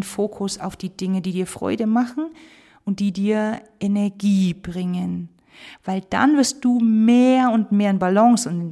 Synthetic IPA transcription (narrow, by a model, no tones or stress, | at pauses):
nfoːkʰʊsa̰ʊfd̥iːd̥ɪŋədiːdiːɐfʁ̥ɔ̰ʏdəmaχn̩ | ʔʊnt̚d̥iːdiːɐʔɛnɛɐɡiːb̥ʁɪŋən | v̥aɪld̥a̰nvɪɐst̚d̥uːmeːɐʊntmeːɐɪnbalɔŋsʊnt